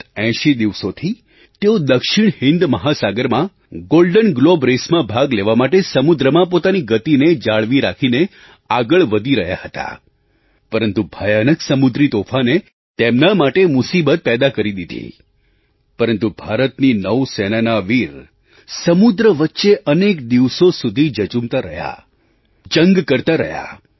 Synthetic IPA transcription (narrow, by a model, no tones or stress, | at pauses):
ɛ̃ʃid̪iʋsot̪ʰi | t̪eod̪əkʃiɳ̃hɪnd̪məɦasaɡəɾmã | ɡolɖənɡlobɾesmãbʱaɡleʋamaʈesəmud̪ɾəmãpot̪aniɡət̪ined͡ʒaɭʋiɾakʰine | aɡəɭʋəd̪ʱiɾəɦja̰hət̪a̰ | pəɾənt̪ubʱəjanəksəmud̪ɾit̪ofʰane | t̪emnamaʈemʊsibət̪̚pɛd̪akəɾid̪id̪ʱḭ | pəɾənt̪ubʱaɾət̪ninəʋsɛnanaʋiɾ | səmud̪ɾəʋətːʃeʔənekd̪iʋsosud̪ʱid͡ʒət͡ʃumt̪aɾə̰ɦja̰ | d͡ʒə̃ŋɡkəɾt̪aɾə̰ɦja̰